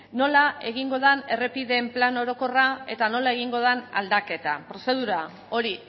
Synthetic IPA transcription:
no̞lae̞ɣ̞iŋɡo̞ð̞ane̞re̞piðe̞mplano̞ɾo̞ko̞rae̞t̪ano̞lae̞ɣ̞iŋɡo̞ðana̰ld̪ake̞t̪a̰pɾo̞se̞ð̞uɾa | o̞ɾi

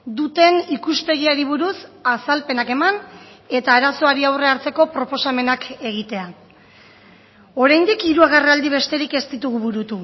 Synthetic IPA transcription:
d̪ut̪e̞nikuspe̞ɣ̞iaɾiβ̞uɾusasalpe̞nake̞mane̞t̪aːɾaso̞aɾiawre̞aɾt͡se̞ko̞pɾo̞po̞same̞nake̞ɣ̞it̪e̞a | o̞ɾajnd̪ikiɾuaɣareald̪iβ̞e̞st̪e̞ɾike̞st̪it̪uɣuβuɾut̪u

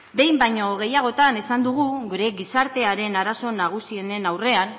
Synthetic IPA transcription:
be̞jmbajɲo̞ɣ̞e̞jaɣ̞o̞t̪ane̞sand̪uɣ̞uɡuɾe̞ɣisaɾt̪e̞aɾe̞naɾaso̞naɣ̞usie̞ne̞nawre̞an

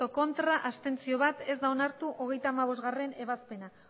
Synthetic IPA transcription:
oko̞nt̪ɾaʔast̪e̞nt͡sio̞βat̪e̞zd̪aonaɾt̪uʔo̞ɣ̞e̞jt̪aːmaβo̞zɣare̞ne̞βaspe̞na

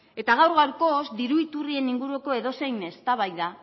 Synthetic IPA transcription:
e̞t̪aɣawɾɣawɾko̞zd̪iɾuit̪urie̞niŋɡuɾueko̞e̞ð̞o̞se̞jne̞st̪aβ̞ajða

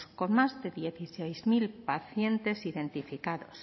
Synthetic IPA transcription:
sko̞nmazðe̞ðje̞θisejzmilpaθje̞nt̪e̞siðe̞nt̪ifikaðo̞s

